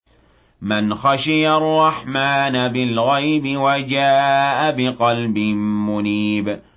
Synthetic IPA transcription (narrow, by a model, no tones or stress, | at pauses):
mɪnxaʃɪjarˤːɑħmaːnabɪlɣajbɪwad͡ʒaːʔabɪqɑlbɪmmʊniːb